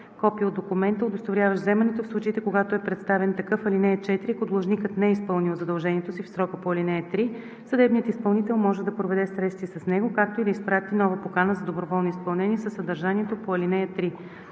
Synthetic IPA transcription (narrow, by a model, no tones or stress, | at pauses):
kɔpijəod̪okumɛnt̪əʊd̪ost̪voɾʲjavəʃzɛmɛnɛt̪ofslˠut͡ʃit̪ɛkoɡat̪oɛpɾɛt̪st̪avɛnt̪ɐkɤfɐlinɛɛt͡ʃɛt̪ɾikod̪lˠoʒnikət̪nɛispɤlˠnilˠzɐd̪ɐlˠʒɛnʲiɛt̪osifsɾɔkəpoɐlinɛjət̪ɾi | sɐd̪ɛbnijət̪ispɐlˠnit̪ɛlˠmɔʒɛd̪ɐpɾovɛd̪ɛsɾɛt̪st̪visɐsnɛɡokak̚t̪oid̪ɐispɾat̪inɔvəpokanəzɐd̪obɾovɔlˠnoispɐlˠnɛnʲiɛsəsːɐd̪ɐɾʒaniɛt̪opoɐlinɛjɐt̪ɾi